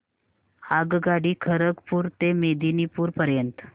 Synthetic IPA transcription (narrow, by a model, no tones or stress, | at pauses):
haɡɡaɽiːkʰəɾəkpuːɾt̪emed̪inipuːɾpəɾjənt̪